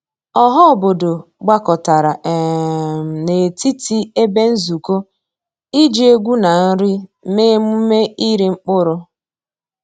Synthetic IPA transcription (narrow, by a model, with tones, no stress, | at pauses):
ɔ˦ɦɔ˦˨bo˨do˨ɡ͡ba˦kɔ˨ta˨ɾa˨ʔm̩˨ne˨ti˦ti˦e˦be˦n̩˦zu˨ko˦ | i˦d͡ʒi˦e˦ɡʷu˦na˨n̩˦ɾɪ˦me˦m˦me˦i˦ɾi˨ŋ͡m̩˦k͡pʊ˦ɾʊ˦